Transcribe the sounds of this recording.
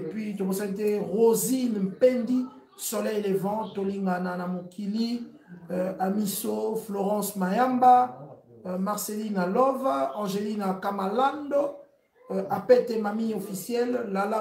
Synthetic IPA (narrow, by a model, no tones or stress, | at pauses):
epɥitoposanit̬ɛʁozinm̩pɛndi | solɛjlevɑ̃toliŋɡananamokʰili | amisofloʁɑ̃smajamba | maʁselinalɔvaɑ̃ʒelinakamalando | apɛtɛmamiɲofisjɛlːala